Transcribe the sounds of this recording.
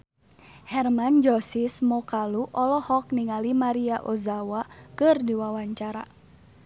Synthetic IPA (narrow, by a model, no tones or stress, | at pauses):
hɛrmand͡ʒɔsismɔkaluʔɔlɔhɔk̚niŋalimaɾiaʔozawakɨrdiwawaɲt͡ʃaɾa